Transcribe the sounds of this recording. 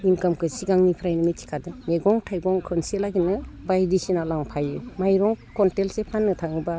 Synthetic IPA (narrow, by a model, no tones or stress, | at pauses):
inkamkʰɯsiɡaŋnipʰɾajnɯmitʰi̥kʰadɯmeɡɔŋtʰajɡɔŋkʰɯnselaɡinɯbajdisinalaŋpʰajɯmajɾɔŋkɔntelsepʰanːɯtʰaŋɯba